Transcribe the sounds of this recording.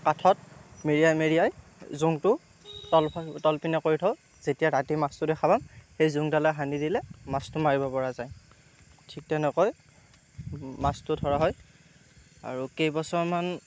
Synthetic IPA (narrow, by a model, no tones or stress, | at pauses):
katʰɔtmeɹijajmeɹijaj | zuŋtʊ | tɔlʰtɔlpinɛkoɹitʰɔʊ | z̥etijaɹatimastʊdɛxʰabamxejzuŋdalaɦanidilɛmastʊmaɹibɔpɔɹazaj | tʰik̚tɛnɛkɔj | mastʊtʰɔɹaɦɔj | a̰ɹukejbɔsɔɹman